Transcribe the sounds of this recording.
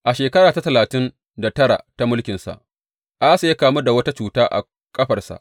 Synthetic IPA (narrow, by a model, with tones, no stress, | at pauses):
ʔa˨ʃeː˨kɐ˦ɽaː˨ta˦tɐ˨laː˨tɪ˦n | da˨tɐ˦ɽa̰˨ta˦mʊ˦lkʲɪ˨nsa̰˨ʔ | ʔa˦sa˨je˦kaː˨mu˦da˨wɐ˦ta˦t͡ʃuː˨taː˦ʔa̰˨ | kʼɐ˦ɸɐ˨rsa̰˨ʔ